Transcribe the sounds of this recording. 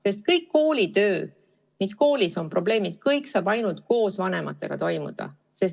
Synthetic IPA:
se̞st̪̚kɤjkːo̞ːlʲit̪ø̞ː | misko̞ːlʲiso̞mpro̞ble̞ːmid̪̥̚kɤjksɑːb̥ɑjnult̪̚ko̞ːsvɑne̞mɑ̰t̪ːˑe̞̰ɡ̥ɑt̪o̞jmṵd̪̥ɑ̰ | se̞s

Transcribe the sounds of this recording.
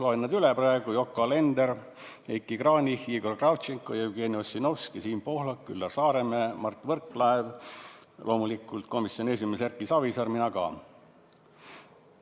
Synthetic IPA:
loenːɑd̪yleprɑeɡujo̞kːˑole̞nd̪eɾ | ekːˑikrɑːnʲihiːɡo̞rkrɑwt̪t͡ʃiŋkːˑojɑywɡ̥eːniosino̞fskisiːnpo̞hlɑkːylːɑrsɑːɾememɑrt̪ːvɤrkːlæev | lʔo̞ːmulikːˑult̪̚ko̞misjo̞ne̞s̬ʲimesærkːˑisɑvisɑrminɑɡɑ̰

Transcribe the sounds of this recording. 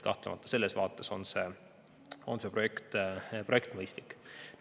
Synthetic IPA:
kɑ̰ht̪lemɑt̪ːˑɑ̥se̞lːe̞svɑːt̪ːˑe̞so̞̰nse̞ | o̞nse̞pro̞je̞kt̪pro̞e̞kt̪mɤjst̪likːˑ

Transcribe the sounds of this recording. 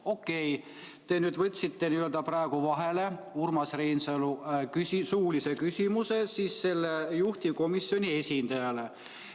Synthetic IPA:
o̞kːe̞j | t̪e̞nyːd̪vɤt̪ʲːˑsit̪ːe̞niø̞ld̪ɑprɑeɡ̥uvɑɦe̞le̞ | urmɑsrejnsɑlukysisuːlise̞kysʲimuse̞siːsse̞lːejuht̪iko̞misːjo̞nʲie̞sʲind̪̥ɑjɑle̞

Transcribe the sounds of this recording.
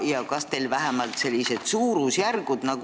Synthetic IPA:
jɑkɑst̪e̞jlvæɦemɑlt̪se̞lʲːised̪̥suːɾusjærɡ̥ud̪̥nɑɡ̥u

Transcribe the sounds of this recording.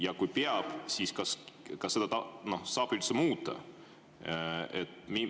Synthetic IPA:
jɑkujpeɑb̥siːskɑskɑsːe̞d̪ɑt̪ɑno̞hsɑːbilsemuːt̪ˑːɑ̰ | et̪mi

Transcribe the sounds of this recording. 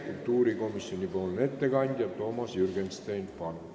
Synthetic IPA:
kult̪uːɾikomisːonʲipolnet̪ːekɑnt̪ʲjɑt̪omɑsjyrɡenst̪ejnpɑn

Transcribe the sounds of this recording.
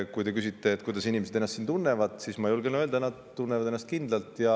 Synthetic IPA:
kujt̪e̞kysit̪ːe̞ːt̪ːˑkujd̪ɑsinimese̥enːɑst̪ːint̪unːevɑd̪̥sismɑjulɡenøld̪ɑenːɑd̪t̪ːunːevɑd̪e̞nːɑst̪kind̪lɑlt̪ˑjɑ

